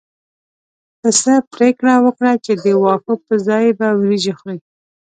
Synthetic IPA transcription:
təsapɾekɽawəkɽat͡ʃed̪əwɑfʊt̪əzɑjbawɾiʒaxwi

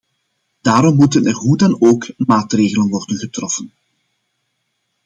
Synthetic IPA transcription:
d̥aːɾɔmːutənɛrɦudɑnoːkmaːtreːɣələnʋɔrdənɣətrɔfən

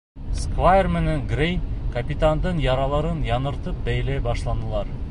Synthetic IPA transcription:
skvajermeneŋɡrʲej̪kɐpʲit̪and̪ɤnjɑɾɑlˠɑɾɤnjɑnɤ̆ɾt̪ɤp̚bæjlæbɑʃlˠɑnɤ̆lˠɑɾ

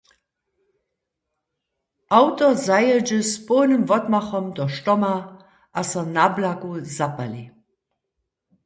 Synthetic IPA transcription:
ʔaʊtɔzajəd͡ʒəsponəmvɔtmaxɔmdɔʃtɔma | ʔasɐnablakuzapali

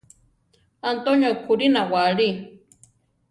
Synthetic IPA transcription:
ant̪oɲokʰʊɾinawaɾi

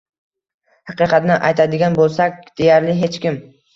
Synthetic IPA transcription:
hɑqɨqʰɑt̪nɪʔajt̪ʰad̪ɪɡʲanbolˠsakʲd̪̥e̞jaɾlɪɦe̞t͡ʃkʲɪm

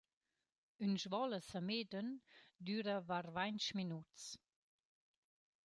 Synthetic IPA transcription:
ynʒvɔləsameːdəndyːɾəvarvant͡ʃminutt͡s

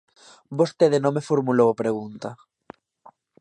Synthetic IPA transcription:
bost̪eðenõmefoɾmulowpɾeɣ̞unt̪a

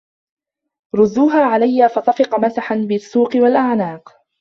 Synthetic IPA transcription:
ɾˤʊzːuːɦaːʕalajːaːfɑsˤɑfɪqɑmasaħanbɪsːuːqɨwalʔaʕnaːq

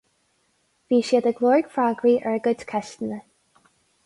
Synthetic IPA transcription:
viːʃiːd̪əɡlˠɔɹəɡ̥fɹaɡɹiːʔɛɹɡʊtkʰɛʃt̪ənə

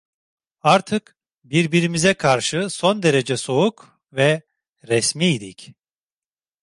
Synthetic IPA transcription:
aɾt̪ʰɯk | biɾbiɾimizɛkʰaɾʃɯso̞nd̪e̞ɾe̞d͡ʒɛso̞uk | vɛ | ɾɛsmiːd̪ic

